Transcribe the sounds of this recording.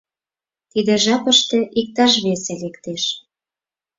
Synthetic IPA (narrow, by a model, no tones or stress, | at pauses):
t̪id̪ĕʒɑpəʃt̪ĕʔik̚t̪ɑʃ̬βeselekt̪eʃ